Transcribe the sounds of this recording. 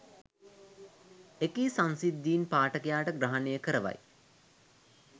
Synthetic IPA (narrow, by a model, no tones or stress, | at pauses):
ekisãnsid̪ːiːnpaːʈəkijaːʈəɡɾaɦanejəkəɾəʋa̰j